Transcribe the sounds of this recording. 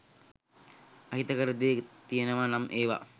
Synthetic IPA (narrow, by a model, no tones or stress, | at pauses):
ɐɦit̪əkəɾəd̪eːt̪ijənəʋanamʔeːʋa̰